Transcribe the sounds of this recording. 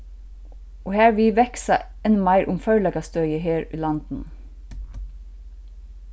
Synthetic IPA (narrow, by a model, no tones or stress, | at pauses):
ʔoːhæːɹʋiːʋɛksɑ̰ | ɛnmɑɪɾʔʊmfœʏlɛɡɑst̪œʏəɦeːɹḭːlɑnd̪̥n̩